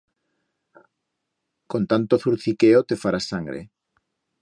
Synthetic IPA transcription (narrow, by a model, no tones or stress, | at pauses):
kont̪ant̪oθuɾθikeot̪efaɾasaŋɡɾḛ